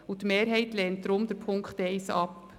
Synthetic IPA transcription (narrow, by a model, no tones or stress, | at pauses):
ʊtmeːɾɦɛɪtlɛːntd̥ɾʊmd̥̪əɾpʰʊŋkχtɛɪsɑp